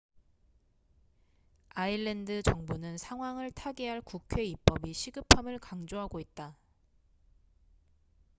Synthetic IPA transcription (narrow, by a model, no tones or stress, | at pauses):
aiɭːe̞ndɯt͡ɕʌŋbunɯnsʰaŋɦwaŋɯɭtʰaɡeɦaɭkukʰwe̞ip͈̚ʌbiɕʰiɡɯpʰamɯɭkaŋd͡ʑoɦaɡoit̚t͈a